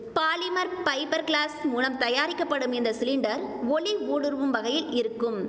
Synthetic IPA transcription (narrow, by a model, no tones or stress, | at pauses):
paːlɪmɐɾpɐɪpɐɾkɭaːsmuːlɐmt̪ɐjaːɾɪkːɐpːɐɽɯmɛnd̪ɐsɪlɪɳɖɐɾʋɔɭiʋuːɽɯɾʋɯmʋɐɣɐjɪlɪɾɯkːɯm